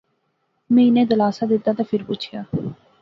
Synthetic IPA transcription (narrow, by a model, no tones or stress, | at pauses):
mɛ̃ːɪnẽːd̪əlaːsaːd̪ɪt̪ːaːt̪ãːpʰɪɾpʊt͡ʃʰɪjaː